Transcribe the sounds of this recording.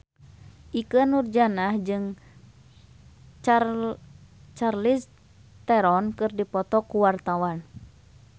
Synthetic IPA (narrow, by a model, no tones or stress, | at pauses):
ʔikənurd͡ʒanahd͡ʒɨŋ | t͡ʃarlis | t̪ɛɾɔnkɨrdipɔt̪ɔkuwart̪awan